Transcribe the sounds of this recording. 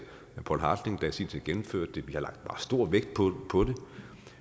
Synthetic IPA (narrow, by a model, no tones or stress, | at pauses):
æpʰɒ̰lɦɑ̈ːd̥eŋd̥æsḭnt͡sʰe̝ɡ̥enm̩føɐ̰d̥ːeʋihɑ̈lɑ̈ɡ̥d̥bɑ̈ːsd̥o̝ɐ̰ʋeɡ̥̚d̥̚pʰɔpʰɒ̽d̥e̝